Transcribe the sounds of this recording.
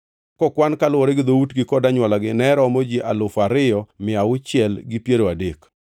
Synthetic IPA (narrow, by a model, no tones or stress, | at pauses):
kɔkwankalwɔɾɛɡɪd̪outɡɪkɔdaɲwalaɡɪnɛɾɔmod͡ʒiʔalʊfaɾɪjɔmɪaʊt͡ʃɪɛlɡɪpjeɾoadek